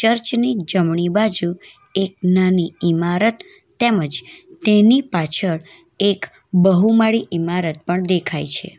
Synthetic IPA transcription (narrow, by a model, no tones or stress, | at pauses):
t͡ʃəɾt͡ʃnid͡ʒəmɳibad͡ʒu | ek̚naniimaɾət̪ː | eməd͡ʒt̪enipat͡ʃʰəɭ | ek | bəɦumaɽiʔimaɾət̪̚pəɳd̪ekʰajt͡ʃʰḛ